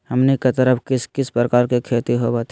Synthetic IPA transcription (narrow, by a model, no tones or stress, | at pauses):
hɐmnikat̪əɾəfkɪskɪspɾəkaːɾkekʰeːt̪iɦobat̪ʰː